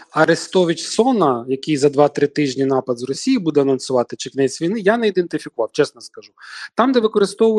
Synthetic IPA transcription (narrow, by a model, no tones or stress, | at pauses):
ɐɾest̪ɔʋʲit͡ʃsɔnɐjɐkijzɐd̪ʋɑt̪ɾɪt̪ɪʒʲnʲinɑpɐd̪zrɔsʲijibud̪ɛɐnɔnsʊʋɑt̪ɪt͡ʃɪknɛt͡sʲʋʲijnɪjaneid̪ent̪ɪfʲikʊʋɑwt͡ʃɛsnɔskɐʒut̪ɑmd̪ɛʋɪkɔɾɪst̪ɔʋ